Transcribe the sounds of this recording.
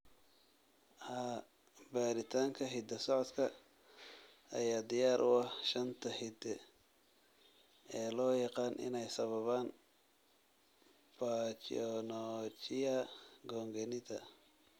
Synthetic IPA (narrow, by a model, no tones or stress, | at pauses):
ha | baːɾɪt̪ʰaːŋkʰɐɦɪd̪ɐsɔʕɔd̪kʰɐ | ɐ̰jaːd̪ɪjaːɾʔʊɐhʃɐnt̪ʰɐhɪd̪ɛ | ɛːlɔːjɑqɑːnʔɪ̰nɛjsɐβɐβaːn | b̥aːt͡ʃɔnɔt͡ʃɪjɐɡɔːŋɡɛnɪt̪ɐ̰